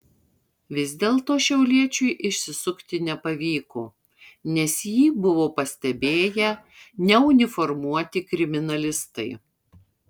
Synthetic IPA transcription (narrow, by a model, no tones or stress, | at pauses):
ʋʲɪzʲd̪ʲeːlˠt̪oːʃʲɛʊlʲiɛt͡ʃʲʊɪʔɪʃʲsʲɪsʊkt̪ʲɪnʲɛpɐʋʲiːkoː | nʲɛsjiːbʊʋoːpɐsʲt̪ʲɛbʲeːjɛ | nʲɛʊnʲɪfɔɾmuɔt̪ʲɪkɾʲɪmʲɪnɐlʲɪst̪ɐɪ